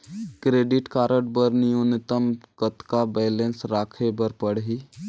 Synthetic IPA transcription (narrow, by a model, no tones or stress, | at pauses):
kɾeːɖɪʈkaːɾəʈbəɾnijonɪt̪əmɡət̪kabɛːlensɾaːkʰebəɾpəɽɦi